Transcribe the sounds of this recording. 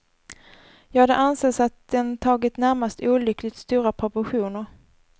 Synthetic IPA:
jɑːɡad̪ɛʔanseːsat̪̚d̪̥ɛnt̪ʰɑːɡɪt̪næɾmast̪uːlʏklɪɡt̪st̪uːɾapʰɾʊpʊɧuːnəɾ

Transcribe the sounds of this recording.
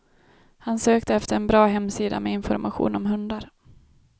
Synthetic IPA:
hansøːkt̪əɛft̪əɾɛnbɾɑːɦɛmːsiːd̪a̰mɛɪnfɔ̰ɾmaɧṵːnɔmɦɵnd̪aɾ

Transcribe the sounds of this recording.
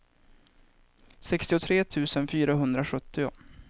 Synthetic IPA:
sɛkst̪ɪʊt̪ʰɾeːt̪ʰʉ̟ːsənfyːɾaɦɵnd̪ɾaɧɵt̪ːɪʊ̰

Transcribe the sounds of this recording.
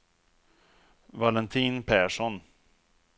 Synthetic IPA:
valɛnt̪ʰiːnpʰæʂɔn

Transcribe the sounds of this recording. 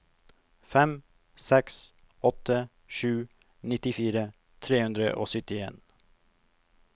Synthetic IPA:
fɛm | sɛks | ɔt̪ə | ʃʉː | nɪt̪ɪfiːɾə | t̪ʰɾeːhʉnd̪ɾə̰ʔo̰ːsʏt̪ɪḛːn

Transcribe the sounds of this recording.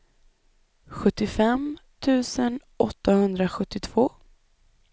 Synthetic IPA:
ɧɵt̪ːɪfɛmt̪ʰʉ̟ːsən | ʔɔt̪ːahɵnd̪ɾaɧɵt̪ːɪt̪ʰv̥oː

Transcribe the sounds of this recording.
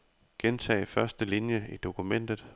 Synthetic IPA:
ɡ̥ent͡sʰɛ̰ːɪfɶɐsd̥əlinjəid̥o̝kʰumen̰d̥ð̞̩ˠ

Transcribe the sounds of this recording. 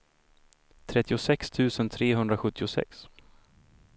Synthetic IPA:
t̪ʰɾɛt̪ːɪʊsɛkst̪ʰʉ̟ːsənt̪ʰɾeːɦɵnd̪ɾaɧɵt̪ʰːɪʊsɛ̰ks

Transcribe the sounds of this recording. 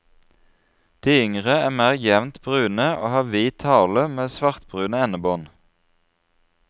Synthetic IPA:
d̪̥iːʏŋʁəæːmæːʁjɛʋnt̪b̥ʁʉːnəʔo̰ːhɑːʋiːt̪ʰɑːləmeːsʋɑʁt̪̚bʁʉːnəɛnəboːn

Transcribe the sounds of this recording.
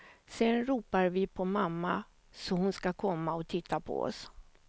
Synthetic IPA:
sɛnɾuːpaɾvɪpʰɔmamːa | sɔɦʊnskakʰɔmːaɔt̪ʰɪt̪ʰːapʰɔ̰ɔ̰s

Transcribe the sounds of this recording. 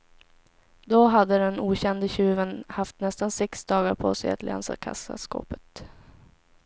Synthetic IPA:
d̪ɔɦad̪ːəd̪ɛnuːɕɛnd̪əɕʉ̟ːvənhaft̪nɛst̪ansɛksd̪ɑːɡaɾpʰo̰ːsɛja̰t̪lʔɛ̰nsa̰kʰa̰sa̰sko̰ːpə̥t̪

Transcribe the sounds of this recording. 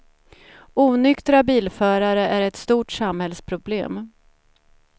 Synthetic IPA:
uːnʏkt̪ɾabiːlfœːɾaɾəʔæɾɛt̪st̪uːʈsamhɛlspʰɾʊblḛːm

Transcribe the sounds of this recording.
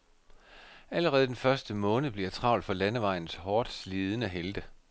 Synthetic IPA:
æləʁɛːð̞̩ˠd̥enfɶɐsd̥əmɔ̽ːnəb̥liɐt͡sʰʁɑ̈ʊld̥fɒ̽lænəʋɑ̈ɪn̩shɒːd̥sliːð̞ˠənəɦeld̥ə

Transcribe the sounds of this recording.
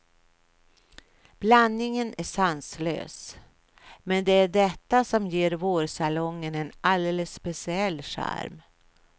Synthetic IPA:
b̥lanːɪŋənʔæʂanslø̰ːs | mɛnd̪ɛæɖɛt̪ːasɔmjeːɾvoːɾʂalɔŋːənɛnald̪eːləsːpɛsɪɛlːʂæ̰ɾm

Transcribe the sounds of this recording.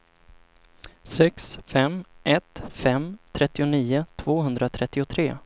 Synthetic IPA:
sɛksfɛmʔɛt̪fɛmt̪ʰɾɛt̪ːɪʊniːʊt̪ʰv̥oːɦɵnd̪ɾat̪ʰɾɛt̪ːɪʊt̪ʰɾeː

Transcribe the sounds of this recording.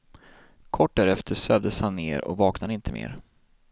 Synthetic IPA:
kʰɔʈ̚ːd̪æɾɛft̪ʰəsøːvd̪əshanːeːɾɔ̰vɑːknad̪əɪnt̪ʰəmḛːɾ

